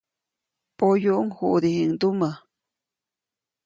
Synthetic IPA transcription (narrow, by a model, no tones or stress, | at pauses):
pojuʔŋhuʔd̪ihiŋd̪uma